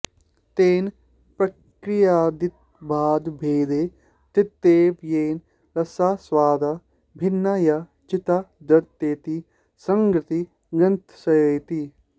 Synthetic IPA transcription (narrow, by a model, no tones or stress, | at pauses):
t̪eːn | pɾɐ | kɾɪjaːd̪ɪt̪̚ | bʱaːd̪bʱeːd̪e | t̪it̪ːeːʋjeːn | ɾɐsaːswaːd̪ʱa | bʱɪnːajɐ | t͡ʃɪt̪ad̪ɐt̪ːeːt̪i | sɐŋɡɾɪt̪i | ɡɐnt̪sɐjojt̪i